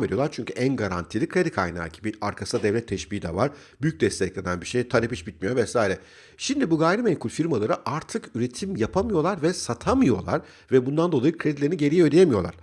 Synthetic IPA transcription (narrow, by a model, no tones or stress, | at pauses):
med̪io̞lˠaɾt͡ʃʰyɲcʰyʔænɡaɾa̰nt̪ʰiːlʲikʰɾe̞d̪ikʰajna̰ːɟibiaɾkʰasɯd̪ad̪ɛvlʲɛt̪ʰːɛʃbiːid̪ɛ̰vaɾ | byjyc̚d̪ɛst̪ʰɛclʲe̞nænbiʃejt̪ʰaɾepiʃbit̪̚mijo̞vɛsaːiɾɛ | ʃimd̪ibuɡaːjɾimɛjkʰulʲfiɾmalˠaɾɯʔaɾt̪ʰɯkyɾe̞t̪ʰimjapʰamɯjo̞lˠaɾvɛsat̪ʰamɯjo̞̰lˠa̰ɾ̥ | vɛbund̪and̪o̞lˠajɯkʰɾed̪ilʲeiniɟe̞ɾijød̪ijemijo̞lˠa̰ɾ̥